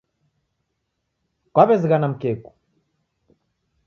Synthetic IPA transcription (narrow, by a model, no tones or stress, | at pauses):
kwaβɛzɣanam̩kɛku̥